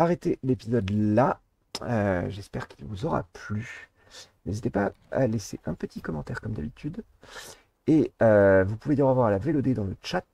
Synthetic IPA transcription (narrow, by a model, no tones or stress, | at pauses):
aʁɛt̪elepizɔd̪la | øʒɛspɛʁkʲilvuzɔʁa̰ply | nezit̪epa | a̰lɛseʔɛ̃pət̪ikɔmɑ̃t̪ɛʁkɔmd̪abit̪yd̪ | eøvupuved̪iʁəvwaʁalavelod̪ed̪ɑ̃lət͡ʃat̪